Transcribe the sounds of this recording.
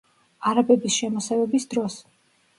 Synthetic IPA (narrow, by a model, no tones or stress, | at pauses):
aɾabɛbisʃɛmɔsɛvɛbisd̪ɾɔs